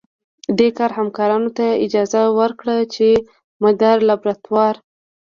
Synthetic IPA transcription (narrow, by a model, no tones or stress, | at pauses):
d̪ekɑɾhamkɑɾɑnot̪aɪd͡ʒɑzawəɾkɽat͡ʃe | mad̪aɾlabɾat̪wɑɾ